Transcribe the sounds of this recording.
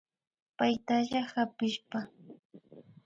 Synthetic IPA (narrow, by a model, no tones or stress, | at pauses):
pajt̪aʎahapɪʃpa